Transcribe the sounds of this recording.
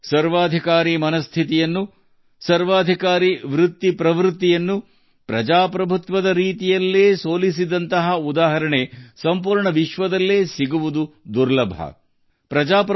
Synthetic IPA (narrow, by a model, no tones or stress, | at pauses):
sɐɾʋaːd̪ʱikaːɾimɐnɐst̪ʰit̪ijɐnːu | sɐɾʋaːd̪ʱikaːɾiʋɾut̪ːipɾɐʋɾut̪ːijɐnːu | pɾɐd͡ʒaːpɾɐbʱut̪ʋɐd̪ɐɾiːt̪ijɐlːeːsoːlis̬id̪ɐnt̪ɐɦɐud̪aːɦɐɾɐɳesɐmpuːɾɳɐʋiʃʋɐd̪ɐlːeːsiɡuʋud̪ud̪uɾlɐbʱɐ̰ | pɾɐd͡ʒaːp